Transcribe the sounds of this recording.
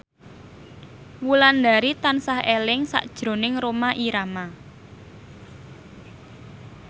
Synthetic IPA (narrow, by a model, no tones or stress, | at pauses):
wuland̪a̤ɾit̪ansahʔelɪŋsa̰ʔd̥ʒ̥ɾo̤nɪŋɾomaʔiɾama